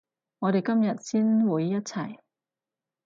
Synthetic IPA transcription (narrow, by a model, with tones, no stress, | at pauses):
ŋɔː˨˧ɾe˨jkɐ˥mjɐ˨t̚siː˥nwuː˨˧jːɐ˥t̚t͡sʰɐ˨˩j